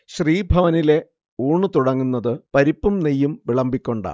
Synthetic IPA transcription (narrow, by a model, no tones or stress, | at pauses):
ɕriːbʱɐʋɐnile̞ | uːɳːɨt̪uɽɐŋːunːɐðɨpɐɾipːumnijːumʋiɭɐmbikʲːo̞ɳɖa̰